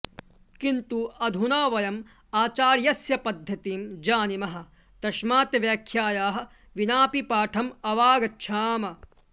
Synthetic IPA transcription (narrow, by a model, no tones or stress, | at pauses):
kint̪uɐd̪ʱunaːʋɐjɐm | aːt͡ʃaːɾjɐsjɐpɐd̪ʱjɐt̪iːmd͡ʒaːnimɐɦɐ̆ | t̪ɐʃmaːt̪ɐʋjaːkʰjaːjaːɦɐ̆ | ʋinaːpipaːʈʰɐmɐʋaːɡɐtːʃʰaːmɐ